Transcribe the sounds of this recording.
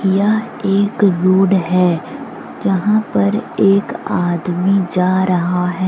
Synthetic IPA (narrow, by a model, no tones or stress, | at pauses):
ija | eːkɾuːɖɦɛː | d͡ʒɐɦãpɐɾeːkaːd̪mid͡ʒaːɾɐɦaɦɛː